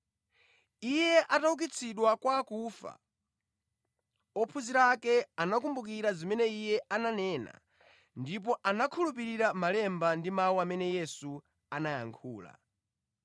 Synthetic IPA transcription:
ijɛʔatauk̬it͡sʰiɗwakwakufa̰ | ɔpʰuziɾakɛanak̬umbuk̬iɾazimɛnɛijɛʔananɛːna̰ | ndip̬ɔʔanakʰulup̬iɾiɾamalɛmbandimauamɛnɛjɛsu | anajaŋkʰuːla̰

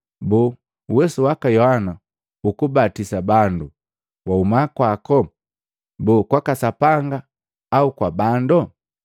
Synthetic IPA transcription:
bu | wɛsuwakajɔhana | ukubatisabandu | waumakwakɔ | buːkwakasapaŋɡaː | ukwabandɔ

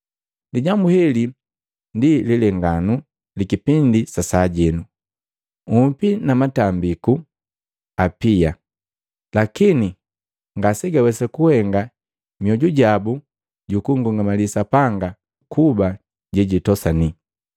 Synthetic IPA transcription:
diɟambuhɛli | ndililɛŋɡanu | likipindisasaɟɛnu | umpinamatambiku | apia | lakini | ŋɡasɛɡawɛsakuhɛŋɡa | mjɔɟuɟabu | ɟukuŋɡuŋɡamalisapaŋɡa | kʰuba | ɟɛɟitɔsani

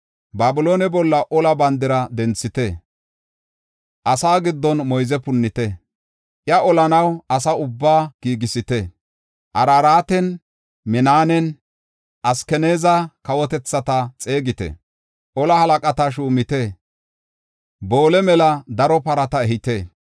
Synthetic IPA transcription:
baːbɪloːnɛbɔlːɐʔɔlɐbɐnd̪ɪɾɐd̪ɛnt͡sːɪt̪ɛ | ʔɐsaːɡɪd̪ːɔnmɔjzɛpʊnːɪt̪ɛ | ʔjɐʔɔlɐnɐwɐs̬ɐʊbːaːɡ̥iːɡɪsɪt̪ɛ | ʔɐɾaːɾaːt̪ɛn | mɪnaːnɛn | ʔɐskɛneːzɐkɐwɔt̪ɛt͡sːɐt̪ɐt͡sʼe̞ːɡɪt̪ɛ̰ | ʔɔlɐhɐlɐkʼɐt̪ɐʃ̬uːmɪt̪ɛ | bo̞ːlɛmɛlɐd̪ɐɾɔpɐɾɐt̪ɐɛɦɪt̪e

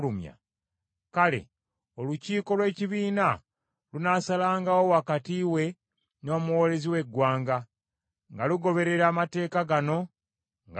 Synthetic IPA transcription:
umja̰ | kale̞̰ | o̞luciːko̞lwe̞ːciβiːna | lunasalaːŋɡawo̞wakatiwe̞ | no̞ːmuwole̞ziwe̞ɡwaːŋɡa | ŋɡaluɡo̞βe̞ɾe̞ɾaːmate̞ːkaɡano̞ | ŋɡ

